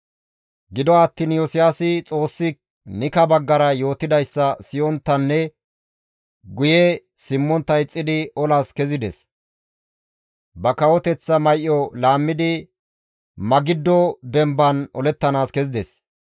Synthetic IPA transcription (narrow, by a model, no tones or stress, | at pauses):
ɡɪd̪ɔɐt̪ːiːnjosɪjasɪt͡sʼo̞ːsːɪk | nɪkɐbɐɡːɐɾɐjo̞ːt̪ɪd̪ɐjsːɐsɪjɔnt̪ːɐnːɛ | ɡʊjɛsɪmːɔnt̪ːɐjt͡sʼːɪd̪ɪɔlaskɛzɪd̪ɛs | bɐkɐwɔt̪ɛt͡sːɐmɐjʔːɔlaːmːɪd̪ɪ | mɐɡɪd̪ːɔd̪ɛmbɐnɔlɛt̪ːɐnaːskɛzɪd̪ɛs